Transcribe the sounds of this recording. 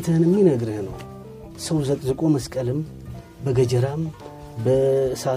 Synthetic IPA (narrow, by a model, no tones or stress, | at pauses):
t̪ʰənɨmːinəɡɾɨhnəw | səwzʼzəkʼo̞məskʼəlɨm | bəɡəd͡ʒəɾam | bəsa